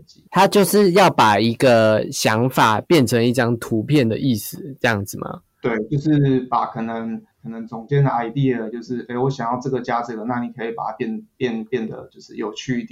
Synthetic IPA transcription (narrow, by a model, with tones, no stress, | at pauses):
t͡ɕi˧˦t̪ʰa˦˥t͡ɕjo˥˧ʊʂɻ̩˥˧jɑ˥˩ʊpa˨˩i˧˥ɡə˨˧ɕjɑ˧˥ŋfa˨˩pjɛ˥˩nʈ͡ʂʰə˧˥ŋi˥˩ʈ͡ʂɑ˥ŋt̪ʰu˧˥pʰjɛ˥˩nd̪ə̰˩ʔi˥˩sɹ̩˨˩ʈ͡ʂɤ˥˧jɑ˥˩ŋd͡z̩˨˩mʔɐ̰˩ | t̪we˥˩ɪt͡ɕjo˥˧ʊʂɻ̩˥˩pa˨˩˦kʰɤ˨˩nə˧˦ŋʰ | ɤ˨˩nə˧˦ŋt͡sʊ˨˩ŋt͡ɕjɛ˥˧nd̪ə˩ʔa˧˩ɪt̪i˥˩ə˩t͡ɕjo˥˧ʊʂɻ̩˥˩e˥˩ɪwɔ˧˦ɕjɑ˨˩ŋjɑ˥˧ʊʈ͡ʂɤ˥˩ɡə˩t͡ɕja˥t͡s̩˨˩lə˩˦na˥˩ni˨˩kʰɤ˧˦i˨˩pa̰˨˩tʰa˥pjɛ˥˧npjɛ˥˧npjɛ˥˩nd̪ə̰˩t͡ɕjo˥˧ʊʂɻ̩˥˩jo˨˩ʊt͡ɕʰy˥˧i˥˩t̪j